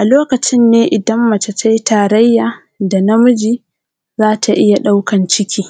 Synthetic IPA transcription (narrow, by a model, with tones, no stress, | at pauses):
ʔa˨loː˦kɐ˨t͡ʃɪ˦nːeː˦ʔɪ˨dɐ˦mːɐ˨ta˨t͡ʃa˦jtaː˨ɾɐ˦jːaː˨ | da˨na˦mʊ˦d͡ʒiː˦ | zaː˦tʰa˨ʔɪ˦ja˨ɗa˦wkɐ˨nt͡ʃɪ˦kʲʰiː˦